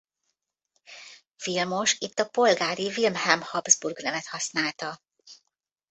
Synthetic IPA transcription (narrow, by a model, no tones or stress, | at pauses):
filmo̞ʃit̪ːɒpo̞lɡaːɾivilmhɛmhɒbzburɡnɛmɛt̪hɒsnaːlt̪ɒ